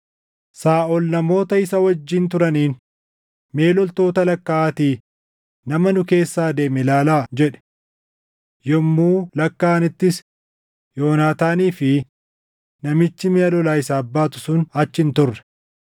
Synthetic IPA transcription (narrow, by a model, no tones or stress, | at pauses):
saːʔɔlnɐmo̞ːt̪ɐɪsɐwɐd͡ʒːiːnt̪ʊɾɐniːn | me̞ːlɔlt̪o̞ːt̪ɐlɐkːaaːt̪iː | nɐmɐnʊke̞ːsːaːd̪e̞ːmɛlaːlaːd͡ʒɛᶑɛ̥ | jɔmːuːlɐkːaːnɪt̪ːɪs | joːnaːt̪aːniːfɪ | nɐmɪt͡ʃːɪmeːɐlɔlaːɪsaːbːaːt̪ʊ̥sʊnɐt͡ʃːɪnt̪ʊrːɛ̥